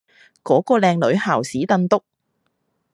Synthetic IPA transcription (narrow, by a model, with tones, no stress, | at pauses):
kɔː˨˥kɔː˧lɛː˧ŋlɵ˨˥ɥhaː˨˩wsiː˨˥t̪ɐ˧nt̪ʊ˥k̚